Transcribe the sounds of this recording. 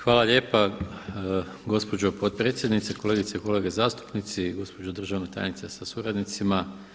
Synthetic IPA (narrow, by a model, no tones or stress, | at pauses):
xʋaːlˠaʎe̞ːpa | ɡo̞spo̞d͡ʑo̞pot̪̚pɾe̞ːt̪sjed̪nit̪seko̞le̞ːɡit̪seko̞le̞ːɡe̞zaːst̪u̥pnit̪siɡo̞spod͡ʒod̪r̩ʒaʋnet̪a̰ːj̰nit̪sesasuɾad̪nit̪sima